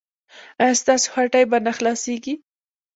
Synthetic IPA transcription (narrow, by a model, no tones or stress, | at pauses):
ast̪ɑso̥xaʈajbanaxlɑseɡi